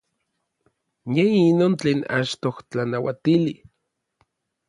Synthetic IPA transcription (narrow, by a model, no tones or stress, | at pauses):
neinoːnt͡ɬeːna̰t͡ʃt̪oht͡ɬanawat̪ili